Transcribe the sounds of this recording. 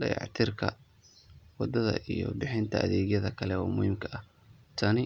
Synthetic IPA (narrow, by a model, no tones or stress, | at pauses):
ɖɐjɑ̰ʕt̪ʰɪrkʰɐ̰ | wɑd̪ɐðɐ̰ʔijɔbɪħɪnt̪ʰɐʔɐðɛːɣjɐðɐkʰɐlɛwɑːmʊhimkʰɐɐh | t̪ʰɐnɪ